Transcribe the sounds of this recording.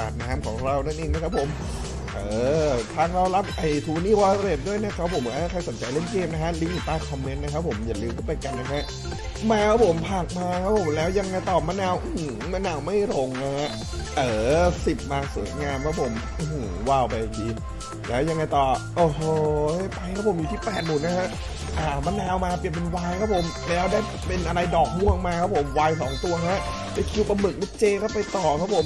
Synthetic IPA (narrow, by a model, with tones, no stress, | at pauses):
a̰ː˨˩t̪̚naː˦˥mkʰɔː˩˦ŋɾa˧wna˦˥nʔeː˧ŋna˦˥kʰa˦˥pʰo˨˩˦m | ʔɤː˧˩t̪ʰaː˧˩ŋɾa˧˩wla˦˥p̚ʔa˧˨˩jt̪ʰuː˧niː˥˩wɔː˧ɾe˨˩p̚du˥˩əjna˦˥˩kʰa˦˥pʰo˨˩˦mka˧˥a˥˩kʰa˧˩jso˩˦nt͡ɕa˧jle˥˩nkeː˥˩m̚na˦˥kʰa˦˥li˦˥i˨˩t̪aː˥˩ŋkʰɔ˧mːe˦˥nːa˦˥kʰa˦˥pʰo˩˦mja˨˩lɯː˧wkʰɯ˥˩pa˧ka˧nːa˦˥kʰa˦˥ʔ | maː˧ka˦˥pʰo˨˩˦mpʰaː˨˩k̚maː˧kʰa˦˥pʰo˨˩˦mlɛː˦˥wja˧ŋːa˧jt̪ɔː˨˩ma˦˥naː˧˩wʔɯ˨˩ma˦˥naː˧wma˥˩jɾo˧ŋna˦˥a˦˥ʔ | ʔɤː˧˩si˨˩p̚maː˧sṵː˩˦jŋaː˧mkʰa˦˥pʰo˩˦m | ʔɯ˧˩hu˨˩˦waː˧˩wpa˧jki˧n | lɛː˦˥wja˧ŋːa˧jt̪ɔː˨˩ʔoː˧˩ɦɤː˧˩˥pa˧jkʰa˦˥pʰo˨˩˦ju˨˩t̪ʰiː˥˩pɛː˨˩t̪̚mu˨˩n̚na˦˥kʰa˦˥ʔ | ʔaː˧˩ma˧˥naː˧wmaː˧pi˨˩əpe˧nwaː˧jkʰa˦˥pʰo˨˩˦m | lɛː˦˥wdaː˥˩j | pe˧nʔa˧ɾa˧jdɔː˨˩k̚hu˥˩əŋmaː˧kʰa˦˥pʰo˩˦mwaː˧jsɔː˩˦ŋt̪u˧ɐkʰa˦˥ʔ | pa˧˩jkʰi˧˦˥wpa˧mɯ˨˩k̚la˦˥t͡ɕeː˧kʰa˥˩wpa˧jt̪ɔː˨˩kʰa˦˥pʰo˨˩˦m